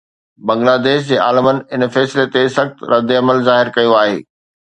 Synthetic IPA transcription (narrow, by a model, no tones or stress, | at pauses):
bɐ̃ŋɡlaːd̪eːʃd͡ʑeːaːlɪmənɪ̆ɪnfɛːsɪlet̪esɐxt̪ɾɐd̪ɪɐməlzaːɦɪɾkɐjoaːɦḛː